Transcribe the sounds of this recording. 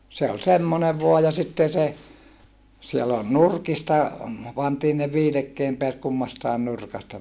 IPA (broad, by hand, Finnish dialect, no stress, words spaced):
se ol semːone ʋuɑ jɑ sitːen se siel ol nurkistɑ pɑntiː ne ʋiːlekːeːm peæt kumːɑstɑen nurkɑstɑ